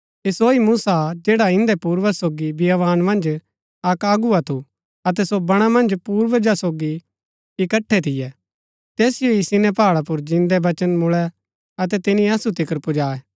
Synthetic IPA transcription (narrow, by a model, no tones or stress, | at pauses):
ɪsoːimuːsad͡ʒɛːɽaɪ̃nd̪ɛpuːɾʋəsoːɡibɪjaʋaːnmɐ̃nd͡ʒ | ɐkaːɡuat̪ʰu | ɐt̪̬ɛsobɐɽ̃amɐ̃nd͡ʒpuːɾʋəd͡ʒasoːɡi | ɪkəʈʰːɛt̪ʰɪjɛ | t̪ɛːsɪjoisɪnɛpaːɭap̬ʊɾd͡ʒɪ̃nd̪ɛbɐt͡ʃənmʊɭɛ | ɐt̪̬ɛt̪ɪnĩɐsut̪ɪkəɾpʊd͡ʒaːɛ